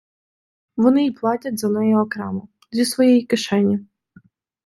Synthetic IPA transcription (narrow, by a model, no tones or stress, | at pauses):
ʋɔnɪiplˠɑtʲɐtʲzɐnɛjɛɔkɾɛmʊ | zʲisʋɔjɛjikɪʃɛnʲːi